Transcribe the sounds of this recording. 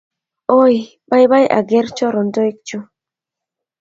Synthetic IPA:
o˦j | ɓa˦jɓa˦jʔa̰˨ɡɛ˦ɾt͡ʃɔ˦ɾɔ˨ndo˦i˦k̚t͡ʃu˦

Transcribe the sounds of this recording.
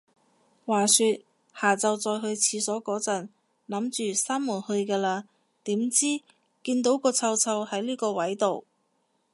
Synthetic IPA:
waː˨˩syː˧t̚ | haː˨˩t͡sɐ˨wt͡sɔː˧jɦɵ˧ɥt͡sʰiː˨˧sɔː˨˥kɔː˨˥t͡sɐ˨˩n | lɐ˨˥mt͡ʃyː˨saː˥mmuː˨˩nhɵ˧ɥkɛː˧laː˧ | t̪iː˨˥mt͡siː˥ | kiː˧nt̪o˨˥wkɔː˧t͡sʰɐ˧wt͡sʰɐ˧whɐ˨˥jliː˥kɔː˧wɐ˨˥jt̪o˨w

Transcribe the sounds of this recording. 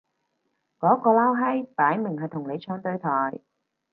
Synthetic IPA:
kɔː˨˥kɔː˧laː˥wɦɐ˥jp̪aː˨˥jmɪ˨˩ŋhɐ˨˩jt̪ʰʊ˨˩ŋne˨˧jt͡ʃʰœː˧˥ŋt̪ɵ˧ɥt̪ʰɔː˨˩j

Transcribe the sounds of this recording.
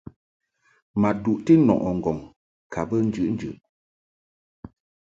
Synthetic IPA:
ma˨du˨ʔti˦nɔ̰˨ʔɔ˨ŋ̩˨ɡɔ˨ŋ | kʰa˨bə˦n̩˦d͡ʒʉ˨ʔn̩˦d͡ʒʉ̰˨ʔ

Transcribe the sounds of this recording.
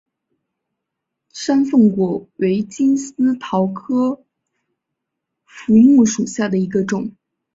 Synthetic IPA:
ʂa˥nfə˥˧ŋkwɔ˨˩we˧˥ɪt͡ɕi˥ns̩˥t̪ʰɑ˧˥ʊkʰɤ˥ | fu˧˥mu˥˩ʂu˨˩ɕja˥˩d̪ə˩i˧˥ɡə˧ʈ͡ʂʊ˨˩˦ŋ

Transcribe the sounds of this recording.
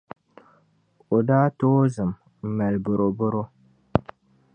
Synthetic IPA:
o˨daː˦toː˦zɨ˨m | m̩˨mɛ˨lbʊ˨ɾo˨bʊ˦ɾo˦

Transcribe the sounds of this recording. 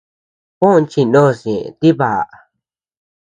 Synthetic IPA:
kõ˦˧nt͡ʃi˧nõ˦˧sḭ̃˨t̪i˦βa˨ʔ

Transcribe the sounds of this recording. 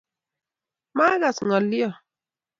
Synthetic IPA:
maː˦ɡa˨sŋɔ˨li˦ɔ˨

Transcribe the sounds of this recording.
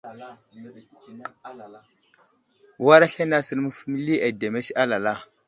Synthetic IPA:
wa˦ɾa˦ɬa˦na˦sə˦lmu˦fmi˦li˦ʔa˨de˨me˦ʃa˦la˨la˦˨

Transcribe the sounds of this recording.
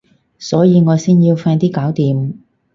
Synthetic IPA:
sɔː˨˥jiː˨˧ŋɔː˨˧jsiː˥njiː˧wfaː˧nt̪iː˥kaː˨˥wt̪iː˨˧m

